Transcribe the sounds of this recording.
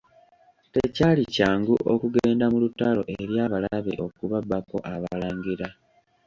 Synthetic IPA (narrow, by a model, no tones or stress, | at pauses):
tecaːlicaːŋɡuʔokuɡeːndamulutːalo̞̰ʔeɾjaːβalaβeʔo̞kuβabːako̞ʔaβalaːŋɡiɾa